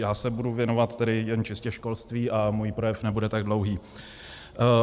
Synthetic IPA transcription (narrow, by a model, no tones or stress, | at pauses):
jaːsɛbuduvjɛnovat̪t̪ːɛdɪjɛnt͡ʃɪscɛʃko̞lst̪viːʔamuːjipɾojɛfnɛbudɛt̪aɡdlowɦiː